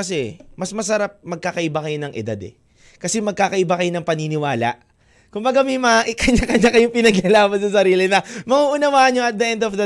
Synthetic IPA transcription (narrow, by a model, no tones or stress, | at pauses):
ɐsɛmɐsmɐsɐɾap̚mɐɡ̚kakɐʔɪbakɐjonɐŋʔɪ̰d̪a̰d̪ɛ̰ | kɐsɛmɐɡ̚kaːkɐʔɪbakɐjo̞nɐŋpɐninɪwaːlɐ̰ʔ | kʊmbɐɡamimɐʔkɐɲakɐɲakɐjoŋpɪnɐɡɪɐlaːbɐns̬ɐsɐɾiːlɪnɐmɐŋuʔʊnɐwaːʔɲːoɐt̪̚d̪ɐʔɛnd̪ofd̪ɐ